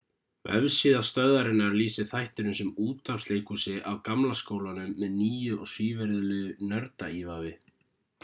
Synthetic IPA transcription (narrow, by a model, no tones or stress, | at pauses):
vɛ̰vsiːðast̪œðaɾɪnːaɾliːsɪθajht̪ɪnʏsɛmuːt̪apst̪eːjkusɪʔawkamlaskoːwlanʏmːɛðniːjʏɔɣsviːvɛɾðʏlʏːɣʏnœɾt̪aiːvavɪ